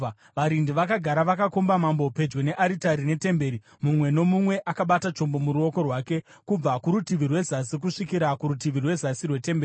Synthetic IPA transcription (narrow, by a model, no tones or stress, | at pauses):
ʋaɾindiʋakaɡʱaɾaʋakakombamambope̞d͡ʒɡwene̞ʔaɾitaɾine̞te̞mbe̞ːɾi | mumwe̞no̞mumwe̞ʔakaɓatat͡ʃo̞mbo̞muɾuo̞ko̞rwaːke̞ | kub͡vakuɾutiʋirwe̞zasik̬uʂikiɾakuɾutiʋirwe̞zasirwe̞te̞mbeːii